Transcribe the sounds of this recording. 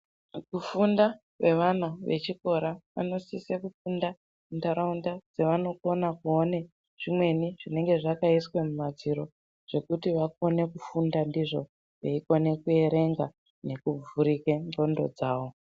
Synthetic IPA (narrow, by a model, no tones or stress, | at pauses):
kufunda | ʋe̞ʋan̤uʋe̞̰t͡ʃiko̞ɾaʋa̰no̞sisekufunda | muntaɾaundad͡zeʋano̞ko̞nakuone̞ | ʐ̥imwe̞niʐine̞ŋɡe̞ʐakaiswe̞mumad͡ziɾo̞ | ʐ̥e̞kutiʋako̞ne̞kufundandiʐo̞̰ | ʋeiko̞ne̞kue̞ɾe̞ŋɡa | ne̞kub͡vuɾikenro̞ndo̞̰d͡zaːʋo̞